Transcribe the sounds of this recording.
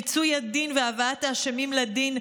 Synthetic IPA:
it͡sujad̪inveavaataʃemimlad̪in

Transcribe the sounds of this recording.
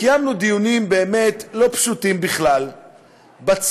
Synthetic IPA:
ijamnud̪ijunimbe̞eːme̞tlo̞pʃutimbiχlal | bat͡s

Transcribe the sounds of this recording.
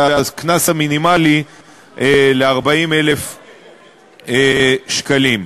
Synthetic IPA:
aaknasaminimali | ʔeleaʁbaimele̞f | eʃkalim

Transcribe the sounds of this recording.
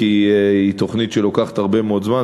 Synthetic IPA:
iit̪o̞χnit̪ʃelokaχḁthaʁbe̞meodzma

